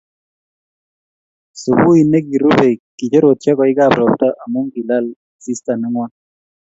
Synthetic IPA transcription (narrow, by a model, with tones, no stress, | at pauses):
su˨bu˦i˨ne˦ki˨ɾu˦be˨ki˨t͡ʃe˦ɾo˨t̚t͡ʃɛ˦kɔ˨ɪ˦ka˦˨bɾɔ˨pta˦ʔa˨mu˦ŋɡi˨la˦l | si˦sta˨nɛ˦ŋwɔ˦n